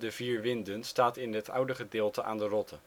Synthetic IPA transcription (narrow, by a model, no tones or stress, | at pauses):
dəviːɹʋɪndənstaːtɪnɦətʌwdəχədɪːlˠtəʔa̰ːndərɔtʰə